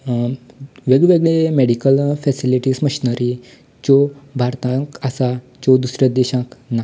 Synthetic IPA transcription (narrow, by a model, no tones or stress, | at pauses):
ʋeɡɭʋeɡɭemeɽikəlfɛsiliʈiːsməɕinəɾi | t͡ɕobʱaɾt̪ãkasa | t͡ɕɔd̪usɾjad̪eɕãkna